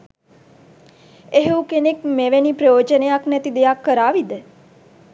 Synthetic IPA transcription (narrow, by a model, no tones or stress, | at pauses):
eɦuwkenekmeʋenipɾəjoːd͡ʒənejaknæt̪id̪ejakːəɾaːʋid̪ə